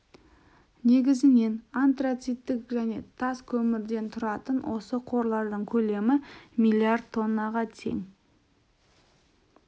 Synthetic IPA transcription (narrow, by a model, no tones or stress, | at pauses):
ne̞ɡʲɪzɪne̞nant̪rat̪sijt̪ːɪkʒæne̞̰t̪ʰːɑskʲʰɵmɪɾd̪e̞nt̪ʰʊɾɑt̪ənwʔo̞səqʰo̞ɾlˠɑɾd̪əɴkʲʰɵle̞mɪmijlʲˠiard̪̚t̪ʰːo̞nːɑʁɑt̪ʰe̞̰ŋ